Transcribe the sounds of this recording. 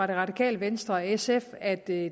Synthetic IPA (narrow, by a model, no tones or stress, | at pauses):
ɑ̈ɾ̥e̝ʁɑ̈d̥ikʰɛ̰ːləʋensd̥ʁɐesefæd̥